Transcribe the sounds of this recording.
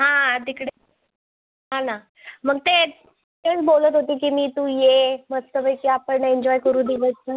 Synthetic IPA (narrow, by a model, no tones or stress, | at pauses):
ɦãd̪ikɽe | ɦãna | m̤əɡ̚t̪e | t̪et͡sbolət̪ɦot̪iːk̬iːmiːt̪ũːjeməst̪əbəjkiːapəɳeɲd͡ʑɔjkəɾuːd̪iʋəsnə